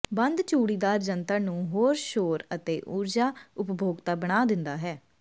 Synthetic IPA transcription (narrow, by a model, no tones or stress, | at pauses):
bə̃nd̪t͡ʃuːɽiːd̪aːɾd͡ʒənt̪əːnũːɦoːɾʃoːɾət̪eːʔuːɾd͡ʒaːʊpbʱoːɡt̪aːbəɽ̃aːd̪ɪnd̪aːɦɛː